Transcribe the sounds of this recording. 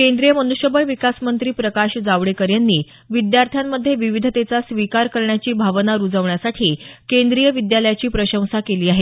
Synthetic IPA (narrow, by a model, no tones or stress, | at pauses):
kend̪ɾijəmənuɕəbəɭʋikasmənt̪ɾiːpɾəkaɕd͡zaʋɽekəɾjanːiː | ʋid̪jaɾt̪ʰjamːəd̪ʱːjeʋiʋid̪ʱət̪et͡sasʋikaɾkəɾɳjat͡ɕiːbʱaʋnaɾud͡zəʋɳjasaʈʰiːkend̪ɾijəʋid̪jaləjat͡ɕiːpɾəɕə̃w̃sakeliːaɦe